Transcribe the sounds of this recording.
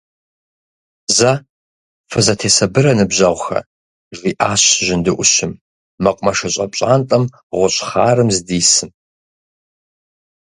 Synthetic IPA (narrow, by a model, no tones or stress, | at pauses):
zɐ | fɨzɐtʰeːsɐbɨrɐnɨbʑɐʁʷxɐ̰ | ʐiːʔaːɕʒɪndɨʔʷʊʃɪmː | ɐqʷʼmɐʂɐɕʼɐpʼɕʼaːntʼɐm | ʁʷʊɕʼχaːrɨmzdiːsɨm